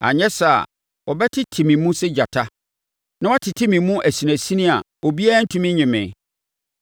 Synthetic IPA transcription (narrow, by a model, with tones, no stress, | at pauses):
a̰˨ɲɛ̃˦sa˨ | wɔ˨bɛ˦tʰɪ˦tʰi˨mĩ˨mũ˦sɛ˦d͡ʑa˨tʰa˦ | nã˦wɔ˦tʰɪ˨tʰi˦mĩ˨mũ˦ʔæ˨si˨næ̃˨sĩ˦nĩ˦a˨ | o˨bi˦a˦n̩˦tʰũ˦mĩ˦ɲɪ̃˨mɪ̰̃˨